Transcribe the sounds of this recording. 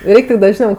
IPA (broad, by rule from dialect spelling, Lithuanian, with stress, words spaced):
ˈrʲɛɪktʊ dɐʒʲˈnʲɛʊ